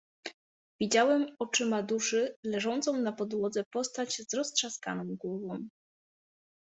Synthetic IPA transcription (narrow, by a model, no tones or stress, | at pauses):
vʲid͡ʑawɛmɔt͡ʂɘmad̪uʂɘlɛʐɔnt̪sɔ̃w̃napɔd̪wɔd̪zɛpɔst̪ad͡ʑzɾɔstʂaska̰nɔ̃w̃ɡwɔvɔ̃w̃